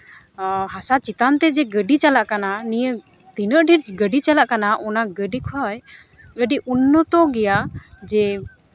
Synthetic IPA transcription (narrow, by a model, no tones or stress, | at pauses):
ɦasat͡ʃit̪ant̪ɛd͡ʒɛɡəɖit͡ʃalaʔkananijə | t̪inəʔɖʱiɾɡəɖit͡ʃalaʔkanaʔɔnaɡəɖikʰɔj | əɖiʔunːət̪ɔɡɛjad͡ʒɛ